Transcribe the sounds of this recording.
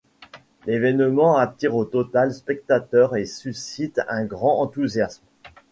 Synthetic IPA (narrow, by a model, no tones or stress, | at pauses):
levɛnmɑ̃at̪iʁot̪ɔt̪alspɛk̚t̪at̪œʁesysit̪ɛ̃ɡʁɑ̃ɑ̃t̪uzjasm